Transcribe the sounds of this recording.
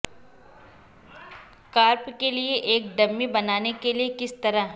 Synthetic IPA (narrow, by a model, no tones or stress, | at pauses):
kaːɾpkelieʔeːk̚ɖɐmːibɐnaːnekeliekɪst̪ɐɾaɦ